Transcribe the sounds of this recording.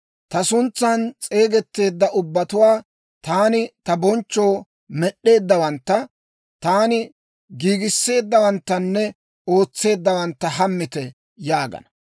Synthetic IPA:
t̪ɐsʊnt͡sːant͡sʼe̞ːɡɛt̪ːe̞ːd̪ːɐʔʊbːɐt̪ʊwaː | t̪aːnɪt̪ɐbɔnt͡ʃːo̞ː | mɛɗːe̞ːd̪ːɐwɐnt̪ːɐ | t̪aːnɪ | ɡiːɡɪsːe̞ːd̪ːɐwɐnt̪ːɐnːɛ | o̞ːt͡sːe̞ːd̪ːɐwɐnt̪ːɐhɐmːɪt̪ɛ | jaːɡɐ̰nɐ

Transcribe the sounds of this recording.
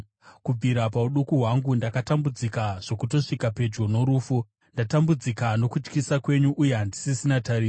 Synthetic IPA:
kub͡viɾapauɗukuɦwaŋɡundakatambud͡zikaʐ̥o̞kuto̞ʂikape̞d͡ʒɡo̞no̞ɾuːfu | ndatambud͡zikano̞kut͡ʃkisakwe̞ɲuʔuje̞ɦandisisinataɾiː

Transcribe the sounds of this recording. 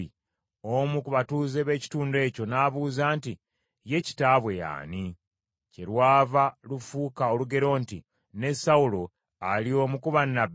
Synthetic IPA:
i | omukuβatuːzeβe̞ːci̥tuːnde̞ːco̞naːβuːzaːnti | je̞ci̥taːβwe̞ja̰ːni | ce̞ɾwaːvalufukaoluɡe̞ɾo̞ːnti | ne̞saulo̞ | alio̞mukuβanːab

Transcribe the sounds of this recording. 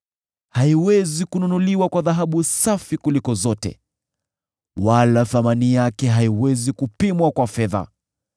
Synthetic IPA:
haiwɛzikununuliwakwaðaɦaɓusafikulikɔzɔtɛ̰ | walaθamanijakɛɦaiwɛzikupimwakwafɛða̰

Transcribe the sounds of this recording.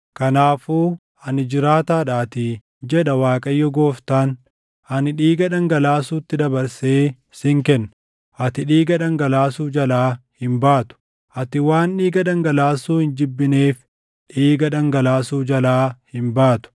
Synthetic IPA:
kɐnaːfoː | ʔɐnɪd͡ʒɪɾaːt̪aːᶑaːt̪ɪ | d͡ʒɛᶑɐwaːkʼɐjːɔɡoːft̪aːn | ʔɐnɪᶑiːɡɐᶑɐŋɡɐlaːsuːt̪ːɪd̪ɐbɐɾseː | sɪŋkɛnːɐ | ʔɐt̪ɪᶑiːɡɐᶑɐŋɡɐlaːsuːd͡ʒɐlaːhɪmbaːt̪ʊ̥ | ʔɐt̪ɪwaːnᶑiːɡɐᶑɐŋɡɐlaːsuːhɪnd͡ʒɪbːɪneːf | ᶑiːɡɐᶑɐŋɡɐlaːsuːd͡ʒɐlaːhɪmbaːt̪ʊ̥

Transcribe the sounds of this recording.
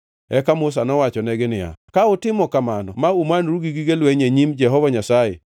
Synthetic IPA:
ɛkamʊs̬anɔwat͡ʃɔnɛɡɪnɪja̰kaʊtɪmɔkamanɔ̰maumanɾuɡiɡiɡelweɲeɲimd͡ʒɛɦɔvɔɲasajɛ̰

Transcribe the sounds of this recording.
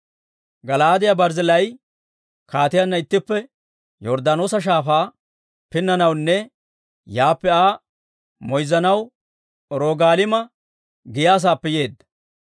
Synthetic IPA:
ɡɐlaːd̪ɪjabɐɾzɪlɐj | kaːt̪ɪjanːɐɪt̪ːɪpːɛ | jɔɾd̪anoːsɐʃ̬aːfaː | pɪnːɐnɐwnːɛ | jaːpːɛaː | mɔjzɐnɐw | ɾoːɡaːlɪmɐ | ɡɪjaːs̬aːpːɛje̞ːd̪ːɐ̥

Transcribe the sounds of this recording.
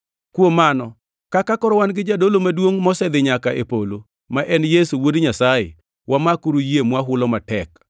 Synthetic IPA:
kwomanɔ | kakakɔɾɔwanɡɪd͡ʒadolomadwoŋmɔsɛd̪ɪɲakaʔepolo | maʔɛnjesuwodɲasajḛ | wamakuɾujemwaɦʊlɔmatɛk

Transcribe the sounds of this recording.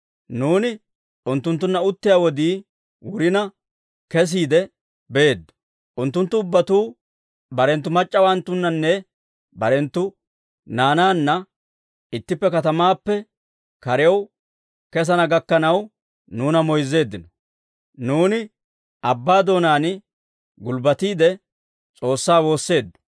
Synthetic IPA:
nuːnɪ | ʊnt̪ːʊnt̪ːʊnːɐʊt̪ːɪjaːwɔd̪iː | wʊɾɪnɐ | kɛs̬iːd̪ɛ | beːd̪ːɔ̥ | ʔʊnt̪ːʊnt̪ːʊːbːɐt̪uː | bɐɾɛnt̪ːʊmɐt͡ʃʼːɐwant̪ːʊnːɐnːɛ | bɐɾɛnt̪ːʊ | naːnaːnːɐ | ɪt̪ːɪpːɛkɐt̪ɐmaːpːɛ | kɐɾɛw | kɛs̬ɐnɐɡɐkːɐnɐw | nuːnɐmɔjzːe̞ːd̪ːɪnɔ | nuːnɪ | ʔɐbːaːd̪o̞ːnaːnɪ | ɡʊlbɐt̪iːd̪ɛ | t͡sʼo̞ːsːaːwo̞ːsːe̞ːd̪ːɔ̥

